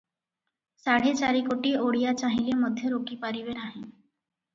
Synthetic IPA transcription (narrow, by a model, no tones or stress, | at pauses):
saɽ̤et͡ʃaɾikoʈioːɽijat͡ʃaɦileməd̪ʱjəɾokipaɾiʋeɾaːɦẽ